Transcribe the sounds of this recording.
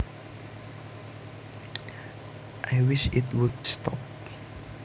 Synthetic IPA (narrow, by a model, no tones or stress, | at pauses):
ʔaɪwɪʃɪtwʊdstɔ̰p